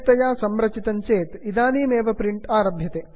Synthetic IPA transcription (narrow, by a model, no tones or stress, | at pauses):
t̪ɐjaːsɐmɾɐt͡ʃit̪ɐɲt͡ʃeːt̪id̪aːniːmeːʋɐpɾiɳʈaːɾɐbʱjɐt̪eː